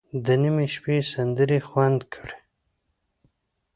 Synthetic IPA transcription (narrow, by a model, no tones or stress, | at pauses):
d̪ənimeʃpesand̪əɾexwand̪kʰəɽe